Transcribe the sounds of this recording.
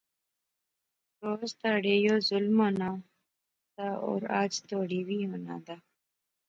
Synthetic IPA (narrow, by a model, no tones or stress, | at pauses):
ɾoːst̪aɽejozʊlmona | d̪ao̰ɾa̰ːd͡ʑt̪oːɽiwiona̰d̪a